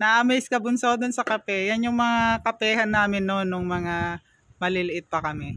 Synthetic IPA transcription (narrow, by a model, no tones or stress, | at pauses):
nɐʔɐmɛjskɐbʊnsod̪onsɐkɐpɛjanjʊŋmɐŋakɐpɛːhɐnːaːmɪnːonːʊŋmɐŋa | mɐlɪlɪʔɪt̪̚pɐkɐmɛ